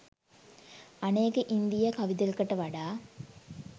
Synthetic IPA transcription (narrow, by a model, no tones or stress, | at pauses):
ɐneːkəʔind̪ijɐkɐʋid̪ɐlkɐʈɐʋɐɖaː